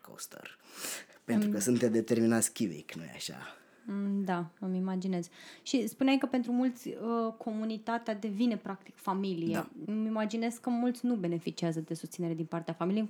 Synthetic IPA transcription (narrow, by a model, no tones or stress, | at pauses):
ko̰st̪ə̰rpent̪ɾuukəsunt̪ed̪et̪e̞rminat̪sʲkʲivḭknuja̰ʃa̰ | d̪aəmimad͡ʒinez̥ʃispuneaijkəpe̞nt̪ɾumult̪sʲəkʰo̞munit̪at̪ead̪e̞vine̞pɾak̚t̪i̥kfamilijemimad͡ʒine̞skkːəmult̪sʲnube̞ne̞fit͡ʃiazəd̪e̞sust̪sineɾe̞d̪inpart̪eafamilije